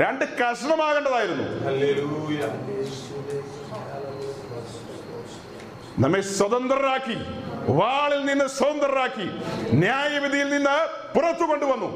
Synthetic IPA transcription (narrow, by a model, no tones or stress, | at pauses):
ɾaɳɖɨkɐʂɐɳɐmaːɣɐɳɖɐðaːjiɾunːṵhɐlej | nɐmːeswɐðɐnd̪rɐɾaːkːiʋaːɭilninːɨswɐɐnd̪rɐɾaːkːinjaːjɐʋid̪ʱijilninːɨ | purɐt̪ːuko̞ɳɖuʋɐnːu